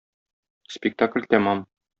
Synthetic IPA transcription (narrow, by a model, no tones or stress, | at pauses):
spʲɪk̚t̪aklʲt̪æmɑm